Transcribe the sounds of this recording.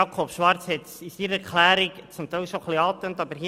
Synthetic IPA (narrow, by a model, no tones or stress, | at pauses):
ɑkʰopʃʋɑɾt͡shɪt͡sɪsiːɾəɛɾklɛːɾikt͡sʊmt̪ɛʃoχliɑːt̪əntɑbəɾhi